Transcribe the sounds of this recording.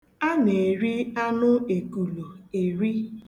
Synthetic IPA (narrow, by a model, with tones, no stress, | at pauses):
a˦ne˨ɾi˦a˦nʊ˦e˨ku˨lo˨e˨ɾi˦